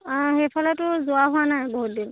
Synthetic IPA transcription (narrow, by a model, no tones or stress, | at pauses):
xepʰɔlɔtʊzʊwaɦʊanajboɦut̚din